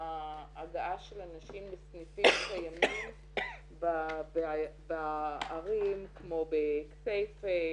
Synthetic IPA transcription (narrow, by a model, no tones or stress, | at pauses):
aaɡaaʃelanaʃimlesnifimkajamim | babeabaaʁimkmo̞bekt͡sejfe